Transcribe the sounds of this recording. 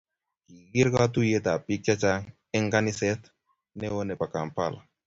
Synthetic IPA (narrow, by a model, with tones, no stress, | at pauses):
ki˨ɣi˦ɾka˦tu˦je˦ta˨pi˦k̚t͡ʃa˦t͡ʃa˦ŋ | ɛ˦ŋɡa˦ni˦sɛ˦t | nɛ˦wo˦nɛ˨pa˨ka˨m˨pa̰˦˨la̰˨